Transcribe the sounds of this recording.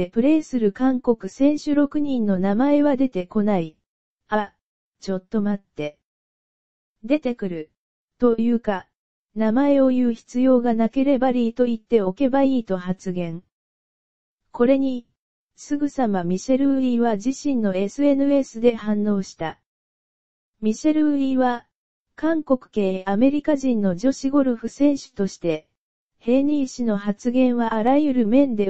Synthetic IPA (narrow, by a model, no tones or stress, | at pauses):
epɯ̟ɾe̞ːsɨɾɯ̟kãŋko̞kɯ̟sẽ̞ɰ̃ɕɨɾo̞kɯ̟ɲ̟ĩnːo̞namae̞βad̪e̞t̪e̞ko̞nai | a | t͡ɕo̞t̪ːo̞mat̪ːe̞ | d̪e̞t̪e̞kɯ̟ɾɯ̟ | t̪o̞jɯ̟ːka | namae̞o̞jɯ̟ːçi̥t͡sɨjo̞ːɡanake̞ɾe̞baɾʲiːt̪o̞it̪ːe̞o̞ke̞baiːt̪o̞hat͡sɨɡẽ̞ɴ | ko̞ɾe̞ɲ̟i | sɨɡɯ̟samamʲiɕe̞ɾɯ̟ɯ̟ɾiːβad͡ʑiɕĩnːo̞e̞sɨe̞nɯ̟e̞sɨd̪e̞hãnːo̞ːɕi̥t̪a | mʲiɕe̞ɾɯ̟ɯɾiβa | kãŋko̞kɯ̟̥ke̞ːame̞ɾʲikaʑĩnːo̞d͡ʑo̞ɕiɡo̞ɾɯ̟ɸɯ̟sẽ̞ɰ̃ɕɨ̥t̪o̞ɕi̥t̪e̞ | he̞ːɲʲiːɕino̞hat͡sɨɡẽ̞ɰ̃βaʔːɾajɯ̟ɾɯ̟mẽ̞nd̪e̞